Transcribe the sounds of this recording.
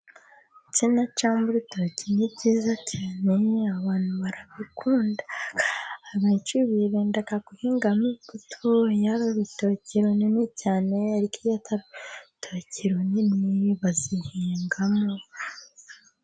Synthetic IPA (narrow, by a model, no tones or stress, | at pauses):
cinat͡ʃaːmbuɾitocinibɟiːzacʰaːne̞aβaːn̥huβaɾaβikuːnda | aβait͡ʃuβiβendakakuhiːŋɡamikutʰojaɾoβitociɾoninicaːne̞aɾikijatʰaɾotʰociɾoniniβazihiːŋɡamo